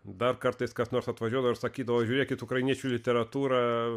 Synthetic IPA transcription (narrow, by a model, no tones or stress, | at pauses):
d̪ɐrkɐɾt̪ɐɪskɐsnoːɾsɐt̪ʋɐʒʲuɔd̪ɐʋoɪɾsɐkʲiːd̪ɐʋoːʒʲuːɾʲeːkʲɪt̪ʊkɾɐɪnʲiɛt͡ʃʲuːlʲɪt̪ʲɛɾɐt̪uːɾɐ